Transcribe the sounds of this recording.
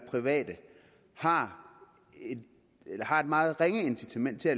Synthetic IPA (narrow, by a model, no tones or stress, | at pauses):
pʰʁiʋɛ̰ːd̥ə | hɑ̈ | ed̥ | elɐhɑ̈e̝d̥mɑ̈ːð̞̩ˠʁeŋəe̝nsit͡sʰæmen̰d̥̚t͡sʰe̝æ